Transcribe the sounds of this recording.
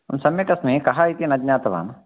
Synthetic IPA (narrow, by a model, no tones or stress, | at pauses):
ɐmsɐmekɐsmẽkɐɦaːit̪inɐd͡ʒnaːt̪ɐʋa̰ːm